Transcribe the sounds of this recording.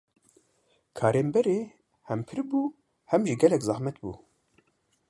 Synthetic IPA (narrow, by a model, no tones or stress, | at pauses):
kʰaːɾeːmbɛɾeː | hɛmpʰɨɾbuː | hɛmʒiɡɛlɛkzɑhmɛt̪bṵː